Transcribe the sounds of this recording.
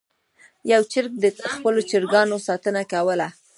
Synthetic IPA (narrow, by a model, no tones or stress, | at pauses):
jawt͡ʃɪɾk̚d̪əxpəlot͡ʃɪɾɡɑnosɑt̪ənakawəla